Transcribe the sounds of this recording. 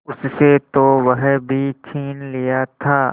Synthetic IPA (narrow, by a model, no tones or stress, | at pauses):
ʊsset̪oʋɐɦbʱit͡ʃʰiːnlijat̪ʰaː